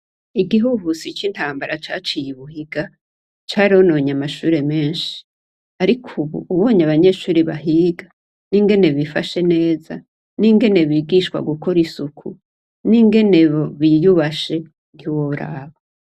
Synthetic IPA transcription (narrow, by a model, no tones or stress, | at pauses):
iɡiɦuɦusit͡ʃintaːmbaɾat͡ʃaːt͡ʃijiβuhiɡa | t͡ʃaːɾiono̞ɲamaʃuːɾe̞me̞ːnʃi̥ | aɾikʰuβṵʔuβo̞ːɲaβaɲe̞ʃuːɾiβaɦiːɡa | niŋɡe̞ne̞βifaʃe̞ne̞ːza | niŋɡe̞ne̞βiːɡiʃkwa̰ɡukoɾisukʰu | niŋɡe̞ne̞βoβijuβaʃe̞ | n̥iwoɾa̰ːβo